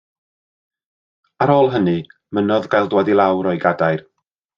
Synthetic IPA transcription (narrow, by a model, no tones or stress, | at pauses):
aɾoːlˠɦənɨ | mənɔðɡajlˠdwɛdilˠawɾɔjɡadajr